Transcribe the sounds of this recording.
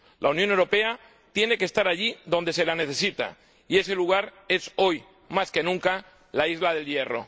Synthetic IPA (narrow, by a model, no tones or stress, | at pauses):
lʔaunjonewɾo̞pe̞a | t̪je̞ne̞kest̪aɾaʎiðo̞nd̪e̞se̞lane̞θe̞sit̪a̰ | ie̞se̞luɣaɾe̞so̞j | maske̞nũŋka | laizlað̞e̞lje̞ro̞̰